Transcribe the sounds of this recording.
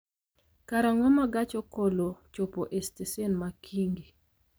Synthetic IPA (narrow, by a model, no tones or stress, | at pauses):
kaɾaŋɔmaɡat͡ʃɔkolot͡ʃopoʔestesenmakʰiŋɡi